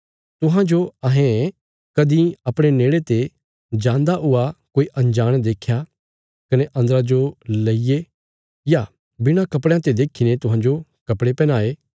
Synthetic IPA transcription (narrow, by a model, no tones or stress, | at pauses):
t̪ʊɦãd͡ʒoɐɦẽ | kɐd̪ĩɐpɽ̃eneːɭet̪e | d͡ʒãːnd̪aʔʊakoːiʔɐ̃nd͡ʒaːɽ̃d̪eːkʰːja | kɐneʔɐ̃nd̪ɾad͡ʒolɐije | ja | bɪɽ̃akɐpɽãt̪ed̪eːkʰinet̪ʊ̃ɦãːd͡ʒokɐpɽepɛːñaːeː